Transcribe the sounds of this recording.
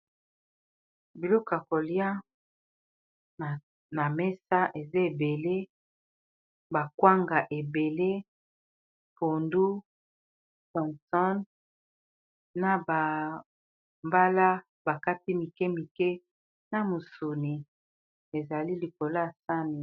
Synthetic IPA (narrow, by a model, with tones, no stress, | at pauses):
bi˨lɔ˦ka˨ko˨lja˦˨ | na˨me˦sa˦ʔe˨za˦e˨be˨le˦ | ba˨kwa˦ŋɡa˨ʔe˨be˨le˦ | po˨ndu˦ | sɔ̃˨nsɔ˦n | a˨ba˨ | mba˦la˦ | ba˨ka˦ti˦mi˨kɛ˦mi˨kɛ˦ | na˨mu˨su˨ni˨ | e˨za˨li˦li˨ko˨la˦˨sa˦ni˨